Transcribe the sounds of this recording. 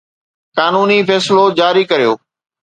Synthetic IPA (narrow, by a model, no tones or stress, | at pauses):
kaːnuːnifɛːsɪlod͡ʑaːɾikɐɾijo̰ː